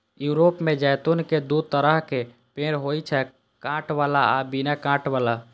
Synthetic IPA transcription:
juɾopmẽd͡ʒɛjt̪unked̪ut̪əɾəɦke | pẽɾɦojt͡ʃʰɛ | kãʈʋalaabinakãʈʋala

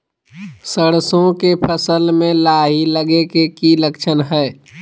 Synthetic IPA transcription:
səɽsõkepʰəsəlmẽlaːɦiləɡekekiləkt͡ʃʰənɦɛː

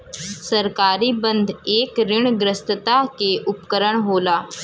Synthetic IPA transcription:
səɾkaːɾiːbənd̪ʱeːkɾɪɳɡɾəst̪ət̪akeʔupkəɾəɳɦolaː

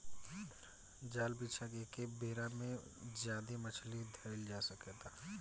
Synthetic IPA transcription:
d͡ʒaːlbiːt͡ʃʰakekebeːɾamẽzjaːd̪emət͡ʃʰlid̪ʱɐɪld͡ʒaːsəket̪a

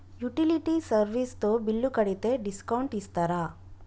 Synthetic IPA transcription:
juʈiliʈisɐɾʋist̪obilːukɐɽit̪eɖiskɐwɳʈist̪ɐɾa

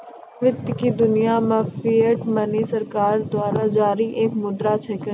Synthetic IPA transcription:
ʋɪt̪kid̪ʊnijamãfiːəʈmɐnisɐɾkaːɾd̪ʊaːɾad͡ʒaːɾiʔeːkmʊd̪ɾat͡ʃʰɛkə

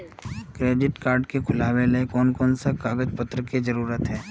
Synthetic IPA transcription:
kɾeːɖɪʈkaːɾɖkekʰʊlaːʋelekɔːnkɔːnsakaːɡəd͡ʒpət̪ːɾəkizɐɾuːɾət̪ɦɛː

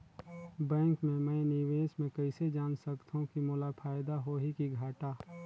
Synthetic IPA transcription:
bɛ̃ːŋkmẽmɛ̃ːniʋeːsmẽkɐɪsed͡ʒaːnsɐkt̪ɦũkimʊːlapʰaːɪd̪aɦoːɦikiɡʱaːʈaː

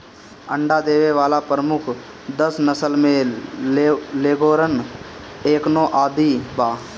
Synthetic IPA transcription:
ə̃ɳɖad̪eːʋeʋaːlapɾəmʊkʰ | d̪əsnəsəlmẽ | leːɡoːɾən | eːknoːʔaːd̪ibaː

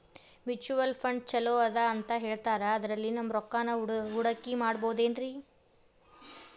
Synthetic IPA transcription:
mit͡ʃuʋɐlpʰɐɳɖt͡ʃɐloɐd̪aːnt̪ɐɦe̞ːɭt̪aːɾɐːd̪ɐɾɐlːinɐmːɾɔkːaːnɐuɽɐkːimaːɽboːud̪eːnɾi

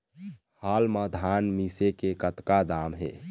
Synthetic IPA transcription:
haːlmad̪ʱaːnmisekekət̪kad̪aːmɦḛː

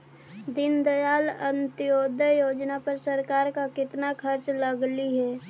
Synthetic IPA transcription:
d̪ɪnd̪əjaːlənt̪ɪjoːd̪ʱəjoːd͡ʒnapəɾsəɾkaːɾkakɪt̪nakʰəɾt͡ʃləɡliɦɛː

